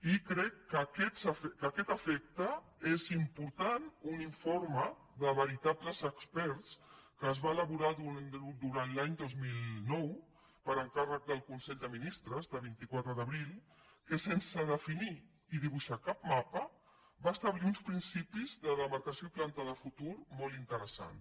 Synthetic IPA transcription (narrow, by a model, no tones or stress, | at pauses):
ikɾɛkːəkɛsəfɛkəkɛt̪əfɛk̚t̪ə | ezimpuɾt̪anuniɱfoɾmə | ðəβəɾit̪apləzəkspɛɾskəːzβaːləβuɾaðud̪uɾanlaɲd̪ozmilnɔw | pəɾəŋkarək̚d̪əlˠkunsɛʎd̪əminist̪ɾəzðəβint̪ikwat̪ɾəðəβɾilˠ | kəsensəðəfini | iðiβuʃakapmapə | baːst̪əβliunspɾinsipizðəðəməɾkəsjoiplant̪əðəfut̪uɾmɔlˠint̪əɾəsa̰n